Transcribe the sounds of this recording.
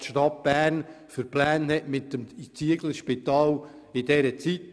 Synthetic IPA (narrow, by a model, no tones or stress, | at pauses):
tʃtɑt̚b̥æːrn | fəɾplæːnhɛtmɪt̪ːəmt͡siəɡl̩ʃpɪt̪ɑːl | ɪd̥ɛɾət͡sit